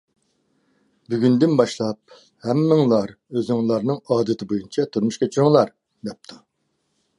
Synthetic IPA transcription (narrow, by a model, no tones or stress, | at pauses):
byɡʲynd̪ɪnbɑʃlˠɑp̚ | hɛmːɪŋlˠɑɾ | øzɪŋlˠɑɾnɨŋɑːd̪ɨt̪ʰɪbojynt͡ʃʰɛt̪ʰuɾmuʃkʲet͡ʃʰyɾɪŋlˠɑɾ | d̪ɛp̚t̪ʰu